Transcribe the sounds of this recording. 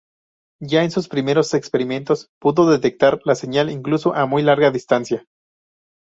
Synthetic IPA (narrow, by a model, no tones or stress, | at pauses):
ɟ͡ʝaensuspɾime̞ɾo̞se̞kspe̞ɾime̞nt̪o̞spuðo̞ðe̞t̪e̞k̚t̪aɾlase̞ɲaliŋkluso̞ʔamujlaɾɣaðist̪ansja